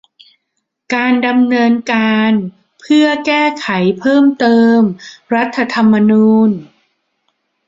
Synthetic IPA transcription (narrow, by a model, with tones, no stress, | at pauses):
kaː˧nda˧mnɤː˧nkaː˧n | pʰɯ˥˩ɐkɛː˥˩kʰa˩˦jpʰɤː˥˩mt̪ɤː˧mɾa˦˥t̪ʰːa˧t̪ʰa˧mːa˧nuː˧n